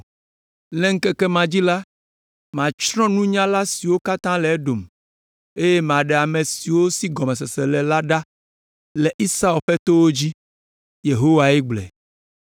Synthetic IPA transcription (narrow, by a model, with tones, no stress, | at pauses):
lɛ̃˦ŋ̩˦kɛ˦kɛ˦mã˨d͡ʑi˦la˦ | mã˨t͡ʃɾɔ̃˦nũ˦ɲã˦la˦si˨wo˦ka˦t̪ã˦lɛ˨ɛ˦ɖo˨m | e˦je˦m˨ã˨ɖɛ˨a˨mẽ˨si˨wo˦si˦ɡɔ˨mɛ̃˨sɛ˨sɛ˨lɛ˨la˦ɖa˦ | lɛ˨ʔi˦sa˦ɛ˨lɸɛ˦t̪o˦wo˦d͡ʑi˦ | je˨ɦo˦wa˨ɛ˦ɡ͡blɛ̰˨